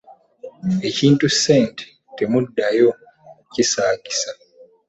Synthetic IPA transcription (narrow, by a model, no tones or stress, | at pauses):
eciːntʼusent | temudːajo | cisaːki̥sa